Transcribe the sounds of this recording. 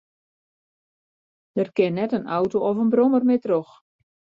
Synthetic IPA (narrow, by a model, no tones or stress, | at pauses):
d̥ərkɪnːɛtəna̰wtoɔfənbromərmɪtrox